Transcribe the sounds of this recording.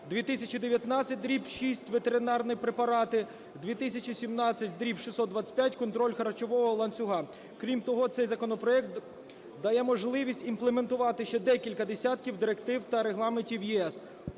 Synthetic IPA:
d̪ʋʲit̪ɪsʲɐt͡ʃid̪eʋʲjɐt̪nɑt͡sʲːɐt̚ʲd̪ɾʲipʃisʲtʲʋet̪eɾɪnɑrnɪpɾepɐɾɑt̪ɪ | d̪ʲʋʲit̪ɪsʲɐt͡ʃisʲimnɑt͡sʲːɐt̚ʲd̪ɾʲipʃisɔd̪d̪ʋɑt͡sʲɪ̥tʲpʲjatʲkɔnt̪ɾɔlʲxɐɾɐt͡ʃɔʋɔɦɔlˠɐnt͡sʲʊɦɑ | kɾʲimt̪ɔɦɔt̪sɛjzɐkɔnɔpɾɔjɛk̚t̪ | d̪ɐjɛmɔʒlˠɪʋʲisʲtʲimplˠement̪ʊʋɑt̪ɪʃt͡ʃɛd̪ɛkʲilʲkɐd̪esʲat̪kʲiwd̪ɪɾekt̪ɪwt̪ɐɾeɦlˠɑmenʲtʲiwjiɛs

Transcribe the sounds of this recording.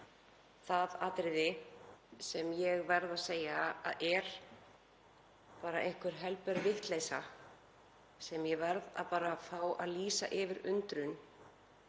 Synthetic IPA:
θaðat̪ɾɪðɪ | sɛmjɛɣvɛɾðaðseːjaa̰ðʔɛɾ̥ | paːɾaʔejŋ̥kvʏɾ̥ɦɛlpɛɾvɪht̪leːjsa̰ | sɛmjɛvɛɾða̰ðpaːɾafaːwʔa̰ðliːsa̰ʔɪvɪɾʏnt̪ɾʏn

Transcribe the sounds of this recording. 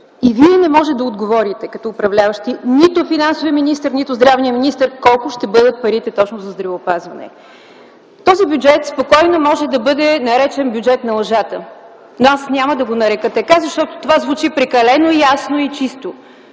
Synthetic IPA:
iviɛnɛmɔʒɛd̪ɐod̪ɡovɔɾit̪ɛkɐt̪ɔːpɾɐvlʲavəʃt̪init̪ʊfinansʊviəminist̪əɾnit̪ʊzd̪ɾavnijəminist̪əɾkɔlˠkʊʃt̪ɛbɤd̪ət̪̚pɐɾit̪ɛt̪ɔt͡ʃnozɐzd̪ɾɐvəːpazvɐnɛ̰ | t̪ɔzibʲjud͡ʒɛt̪spokɔjnomɔʒɛd̪ɐbɤd̪ɛnɐɾɛt͡ʃɛnbʲjud͡ʒɛt̪nɐlˠɐʒat̪ə | noasnʲaməd̪ɐɡonɐɾɛkɤt̪ɐkazɐʃt̪ɔt̪o̥t̪ovazvut͡ʃipɾɛkɐlɛnoijasnoit͡ʃist̪o

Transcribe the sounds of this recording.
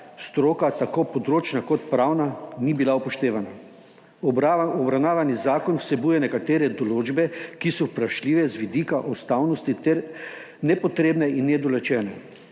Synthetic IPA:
st̪ɾoːkat̪akopɔd̪ɾoːt͡ʃnakɔt̪pɾawnanibilaupɔʃt̪eːʋana | ɔbɾawnaːʋanizaːkɔnwsɛbuːjɛnɛkat̪eːɾɛd̪ɔloːd͡ʒbɛkisɔpɾaʃliːʋɛzʋid̪ikaʔɔst̪awnɔst̪it̪ɛɾ | nɛpɔt̪ɾeːbnɛinːɛd̪ɔlɛt͡ʃɛːnɛ

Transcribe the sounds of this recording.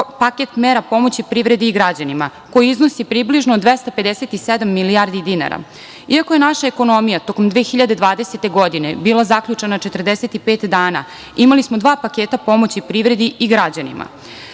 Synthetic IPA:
paket̪meːɾapo̞mot͡ɕipɾiʋɾe̞d̪iːɡɾad͡ʑanimako̞jiizno̞sipɾibliʒnod̪ʋest̪ape̞d̪eset̪ised̪amːiliaɾd̪id̪ina̰ɾa̰ | iako̞jenaʃaeko̞no̞mijat̪o̞ko̞md̪ʋeːxiʎad̪ed̪ʋaːd̪e̞set̪e̞ɡo̞d̪ine̞biːlˠazakʎut͡ʂenat͡ʃet̪r̩d̪eset̪ipeːt̪d̪aːna̰ | imalismod̪ʋaːpakeːt̪apo̞mo̞t͡ɕipɾiʋɾe̞d̪iiɡɾad͡ʑanḭmʔa̰

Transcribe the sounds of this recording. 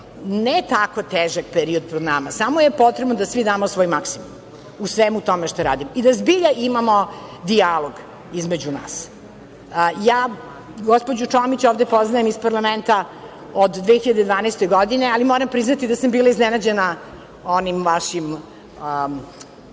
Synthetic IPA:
nɛt̪akot̪eːʒakpeɾiod̪̚pɾod̪namasamojepo̞t̪ɾebnod̪asʋid̪aːmosʋojimaksimum | usʋemut̪omeʃt̪aɾa̰ːd̪imoid̪azbiʎaʔimamod̪ialˠoɡ | izmed͡ʑuna̰ːs | jaː | ɡospod͡ʑut͡ʂomit͡ɕoːvd̪epoznajemispaɾlˠament̪a | od̪d̪ʋexiʎad̪ed̪ʋaːnɛst̪eɡod̪inealimoɾampɾiznat̪id̪asambiːlˠaiznɛnad͡ʑena | onimʋaʃim

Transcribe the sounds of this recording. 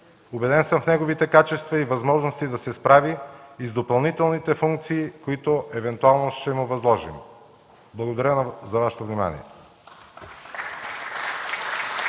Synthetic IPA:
obɛd̪ɛnsəmfnɛɡovit̪ɛkat͡ʃɛst̪vɐivɐzmɔʒnost̪id̪ɐsɛspɾaviːzd̪opɐlˠnit̪ɛlˠnit̪ɛfuŋk̚t̪siːkoit̪oʔɛvɛnt̪ualˠnoʃt̪ɛmʊvɐzlˠɔʒḭm | blˠɐɡod̪ɐɾʲjəzɐvaʃɛ̥t̪ovnima̰nḭɛ̰

